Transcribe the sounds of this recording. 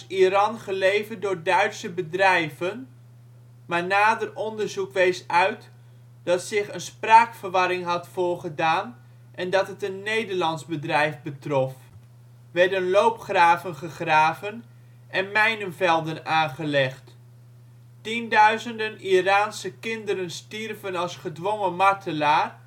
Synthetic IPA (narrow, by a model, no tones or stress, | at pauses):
irɑnχəlejvədʊːɹdœɥtsəbədrɛjvən | maːɹnaːdərʔɔndərzukʋejsœɥt | d̥ɑtsɪχənspraːkfəɹʋɑɾɪŋɦɑtfʊːɹχədaːn | ʔɛndɑtətənːejdərlɑntzbədrɛjvbətrɔf | ʋɛɹdənlowpχraːvənχəχraːvən | ʔɛnmɛjnəmvɛlˠdənaːnχəlɛχt | tindœɥzəndəniraːnsəkɪndəɾənstirvənɑlˠsχədʋoŋəmɑɹtʰəlaːr